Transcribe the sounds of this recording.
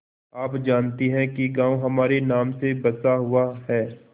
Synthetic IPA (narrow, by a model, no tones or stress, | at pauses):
aːpd͡ʒaːnt̪iɦɛ̃kiɡãːõɦɐmaːɾenaːmsebɐsaɦʊaɦɛː